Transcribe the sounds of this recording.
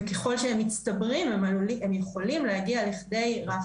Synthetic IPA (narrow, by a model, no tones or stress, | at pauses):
keχo̞lʃeemːitt͡stabʁimemaluliemjeχo̞limlehaɡialiχd̪e̞jʁa